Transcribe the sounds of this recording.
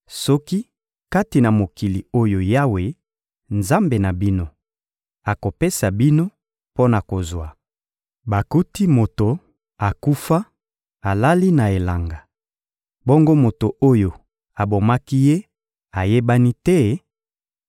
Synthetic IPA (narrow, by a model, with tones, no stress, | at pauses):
sɔ˦ki˦ | ka˦ti˨na˨mo˨ki˨li˨o˦jo˨ja˦we˨ | nza˦mbe˨na˨bi˦no˦ | a˨ko˨pe˦sa˨bi˦no˦ | po˦na˨ko˨zwa˨ | ba˨ku˦ti˦mo˨to˨ | a˨ku˦fa˦ | a˨la˦li˦na˨e˨la˨ŋɡa˨ | bo˦ŋɡo˦mo˨to˨ʔo˦jo˨ | a˨bo˨ma˦ki˦je˦ | a˨je˦ba˦ni˦tɛ˦